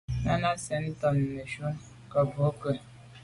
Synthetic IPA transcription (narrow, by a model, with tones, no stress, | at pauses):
na˦na˦se˨n̩˦tɔ˨n̩˨me˨ʃu˦ | kɔ˨bʊ˨o˦ko˨